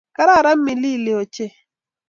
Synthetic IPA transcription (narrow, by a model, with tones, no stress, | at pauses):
ka˦ɾa˦˨ɾa˦mː˦i˨li˦˨le˨o˨t͡ʃe˦